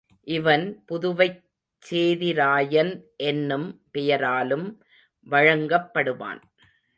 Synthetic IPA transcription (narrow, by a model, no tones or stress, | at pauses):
ʔɪʋɐnpʊðʊʋɐɪ | t͡ʃseːðɪɾaːjɐnʔɛnːɯmpɛjɐɾaːlɯm | ʋɐɻɐŋɡɐpːɐɽɯʋa̰ːn